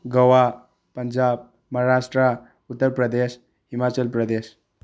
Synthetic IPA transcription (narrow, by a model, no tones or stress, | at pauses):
ɡəwa | pənd͡ʒab̚ | mʌɦaɾasʈɾa | ut̪ːəɾpɾəd̪es | ɦimat͡ʃəlpɾəd̪es